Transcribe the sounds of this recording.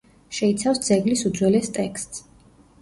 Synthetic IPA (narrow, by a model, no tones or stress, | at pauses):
ʃɛit̪sʰafsd̪zɛɡlisud̪zwɛlɛst̪ʼɛkst̪ʼs